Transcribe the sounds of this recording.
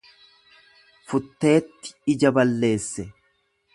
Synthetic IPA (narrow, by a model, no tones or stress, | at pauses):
fʊt̪ːe̞ːt̪ːɪ̥ɪd͡ʒɐbɐlːe̞ːsːɛ